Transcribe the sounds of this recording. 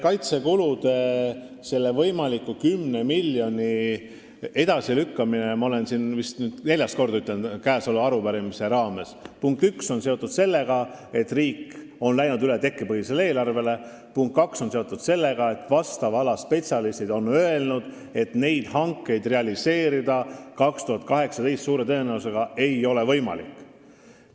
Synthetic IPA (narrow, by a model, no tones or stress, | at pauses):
kɑjt̪se̞kulud̪̥e̞ | se̞lːevɤjmɑlikːˑukymne̞miljo̞nʲi | e̞d̪̥ɑsilykːɑminemɑole̞nsinvist̪nyːd̪̥ne̞lʲjɑst̪ko̞rd̪ɑyt̪ːˑlenkæːsoluɑɾupæɾimise̞ɾɑːme̞spuŋk̚t̪ykso̞nseo̞t̪ːˑud̪̥se̞lːe̞ɡ̥ɑe̞t̪ːriːkː | o̞nlæjnud̪yle̞t̪e̞kːipɤɦhise̞lee̞ːlɑrve̞le̞ | puŋkt̪kɑkso̞nseo̞t̪ːˑud̪̥se̞lːe̞ɡ̥ɑe̞t̪ːˑvɑst̪ɑvɑlɑspe̞t̪siɑlist̪id̪̥o̞nø̞e̞lnud̪̥ | e̞t̪ne̞jd̪̥hɑŋkːˑe̞jd̪̥re̞ɑlise̞ːɾid̪ɑkɑkst̪uɦɑt̪̚kɑɦe̞ksɑt̪ejst̪suːɾe̞t̪ɤ̞eːnæuse̞ɡ̥ɑe̞jo̞le̞vɤ̞jmɑ̰lḭkː